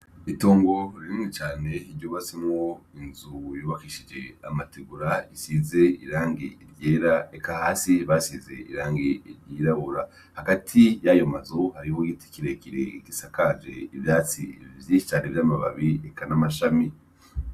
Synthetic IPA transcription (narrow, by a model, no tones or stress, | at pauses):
ito̞ːŋɡo̞ɾiɾimŋit͡ʃaːne̞iɾɟoːβasimŋoinzujouːβakiʃid͡ʒe̞a̰matiɡuɾaisize̞iɾaːŋɡiiɾɟeːɾaekahaːsiβasize̞̰ḭɾaːŋɡiiɾɟiɾaβoɾa | haɡatʰijajo̞mazohaɾihoɡiːti̥kiɾekiɾḛkisakad͡ʒe̞̰iβjaːt͡sivjit͡ʃaɾevjaːmaβa̰βiekanamaʃami